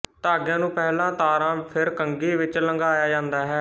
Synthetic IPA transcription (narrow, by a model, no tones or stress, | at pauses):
t̪aːɡjãːnũːpɛːlãːt̪aːɾãːpʰɪɾkəŋɡiːʋɪt͡ʃləŋɡaːjaːd͡ʒãːnd̪aːɦɛː